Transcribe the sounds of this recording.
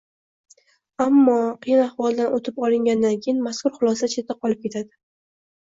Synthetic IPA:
amːɒqʰɨjɪnahvɒlˠd̪anot̪ʰɪpɒlˠɪŋɡʲand̪ankʲʰejɪnmaskʰʊɾχʊlˠɒst͡ʃʰe̞t̪ʰːaqʰɒlˠɪp̚kʲe̞t̪ʰad̪ɪ

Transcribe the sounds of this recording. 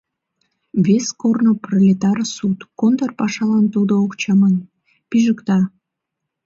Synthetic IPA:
βeskornoprolʲet̪ɑrsut̪kont̪ərpɑʃɑlɑnt̪ud̪ookt͡ɕɑmən | piʒəkt̪ɑ

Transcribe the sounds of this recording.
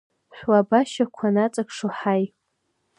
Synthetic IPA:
ħʷᶣwabaʃakʷʰanat͡sʼakʰʂoħaj

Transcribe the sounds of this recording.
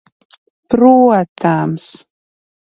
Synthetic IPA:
pɾuat̪ʰams

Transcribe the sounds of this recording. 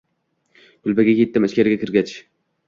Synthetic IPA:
kʲʊlbaɡʲakʲʰet̪ːɪmaʃkʲaɾɪɡʲakʲɪɾɡʲat͡ʃʰ

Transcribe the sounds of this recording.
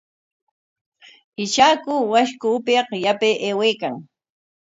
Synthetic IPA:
ɪt͡ʃaːkʊwaʃkʊːpɪɑqjapeʔeːweːkaŋ

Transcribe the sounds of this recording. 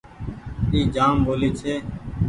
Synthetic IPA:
iːd͡ʒaːmbʱoːliːt͡ʃʰeː

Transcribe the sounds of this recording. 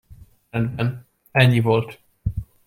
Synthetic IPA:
ɛnd̪bɛn | ɛɲːivo̞lt̪

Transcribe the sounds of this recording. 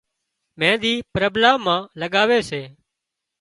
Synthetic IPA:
mɛ̃ːd̪iːpɾəblaːmːãːləɠaːʋeːseː

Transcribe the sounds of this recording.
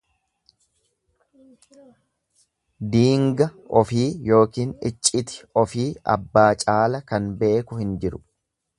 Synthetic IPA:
d̪iːŋɡɐɔfiːjo̞ːkiːnɪt͡ʃʼːɪt̪ɪ̥ɔfiːɐ̰bːaːt͡ʃʼaːlɐkɐnbe̞ːkʊhɪnd͡ʒɪɾʊ̥

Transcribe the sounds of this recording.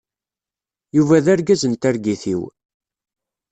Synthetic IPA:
juvæðæɾɡæzənt̪æɾɡiθiw

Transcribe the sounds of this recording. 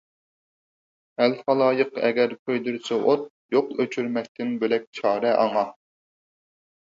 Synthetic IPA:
ælχɑlˠɑːjəqɛ̰ɡʲɛɾqʰøjd̪ɨɾsɛʔot̪̚ | joqøt͡ʃʰyɾmɛk̚ʲt̪ɪnbelɛk̚ʲt͡ʃʰɑːɾɛʔɑŋɑ

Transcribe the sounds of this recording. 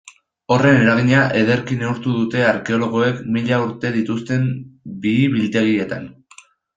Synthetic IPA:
o̞re̞ne̞ɾaɣ̞iɲaʔe̞ð̞e̞ɾkine̞uɾt̪uðut̪e̞aɾke̞o̞lo̞ɣ̞o̞e̞kmiʎauɾt̪e̞ðit̪ust̪e̞mbiːβilt̪e̞ɣ̞ie̞t̪a̰n

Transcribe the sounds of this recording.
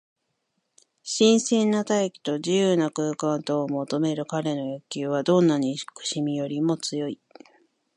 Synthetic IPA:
ɕĩɰ̃sẽnːat̪ajekʲi̥t̪o̞ʑijɯːnakɯ̟ːkãnt̪oːmo̞t̪o̞me̞ɾɯ̟kaɾe̞no̞jokʲɨːβad̪õ̞nːaɲ̟ikɯ̟̥ɕimʲijo̞ɾʲimo̞t͡sɨjo̞i

